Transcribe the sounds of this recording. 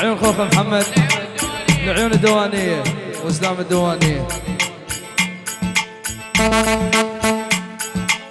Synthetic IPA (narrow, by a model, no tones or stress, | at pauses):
juːnxoːfamħamːad̪ | lɪʕjuːnɪd̪ːawaːnɪjːaewɪslaːmɪd̪awaːnɪjːa